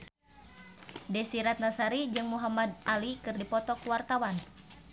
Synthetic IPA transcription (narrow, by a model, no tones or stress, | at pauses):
dɛsiɾat̪̚nasaɾid͡ʒɨŋmuɦamad̪ʔalikɨrdipɔt̪ɔkuwart̪awan